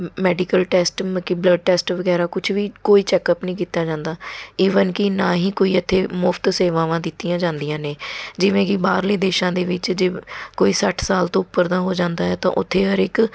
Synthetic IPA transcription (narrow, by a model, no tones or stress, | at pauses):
mɛːɖiːkəlʈɛːsʈmkɪbləɖ̚ʈɛːsʈʋəɡɛːɾaːkʊt͡ʃʰʋiːkoːiːt͡ʃɛːkəpnəĩːkiːt̪aːd͡ʒãːnd̪aːiːʋənkɪnaːɦiːkoːiːət̪ʰːeːmʊpʰt̪seːʋaːʋãːd̪ɪt̪ːijãːd͡ʒãːnd̪ijãːneːd͡ʒɪʋẽːkibaːɾleːd̪eːʃãːd̪eːʋɪt͡ʃd͡ʒeːkoːiːsəʈʰsaːlt̪õːʊpːəɾd̪aːɦoːd͡ʒãːnd̪aːɦɛːt̪ã̰ːʔʊt̪ʰːeːɦəɾɪk